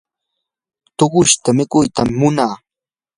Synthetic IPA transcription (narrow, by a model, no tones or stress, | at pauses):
t̪oɢʊʃt̪amɪkʊjt̪amːʊnaː